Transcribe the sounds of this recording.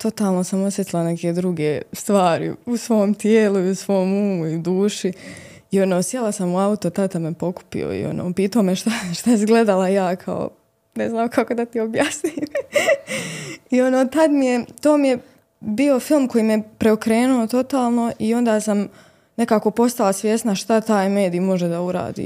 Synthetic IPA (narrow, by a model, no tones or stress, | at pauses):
t̪o̞t̪aːlˠno̞samo̞sjet̪ilˠane̞ked̪ɾuɡeːst̪ʋaːɾḭusʋo̞ːmt̪jeːlˠuiusʋo̞ːmuːmuiud̪uːʃi | io̞noːsjelˠasamuaut̪ot̪at̪amepo̞ku̥pḭo̰ḭo̞̰no̰ːpiːt̪aomeʃt̪aʃt̪aizɡle̞d̪alajaːkʰa̰o̰ | neznaːmkʰako̞d̪at̪iobjasnim | io̞noːt̪ad̪mije̞t̪o̞ːmije̞ | bio̞filˠmko̞jiːmijepɾeokɾe̞ːnuo̞t̪o̞t̪aːlˠno̞ʔio̞nd̪aːsam | ne̞kaːko̞po̞st̪alˠasʋje̞snaʃt̪at̪aːjme̞ːd̪iːmo̞ʒed̪auɾa̰ːd̪ḭː